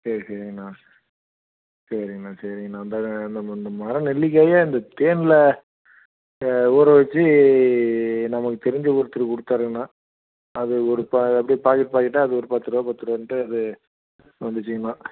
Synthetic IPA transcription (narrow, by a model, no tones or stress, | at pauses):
sɐɾisɐɾɪŋɡɐnaː | sɐɾɪŋɡɐnãːsɐɾɪŋɡɐnãːnd̪and̪ɐnd̪ɐmaːɾɐ̃nɛlːɪk̬ːɐːjaɪnd̪ɐt̪eːnɪlɐ | uːɾɐ̃ʋɐt͡ʃːɯ | nɐmɐkːɯt̪ɛɾɪɲd͡ʒɐʊɾɯt̪ːɯɾɯkɔɽɯt̪ːaːɾɯɐnːaː | ɐðɯɔɾɯpːaɐpːɐɽipaːɾkɪʈɯpaːkɪʈːaɐðɯɔɾɯpaːt̪ːɯɾoːpɐt̪ːɯɾʋɐnʈːɯɐðɯ | ʋɐnd̪ɯt͡ʃːɯŋɐnãː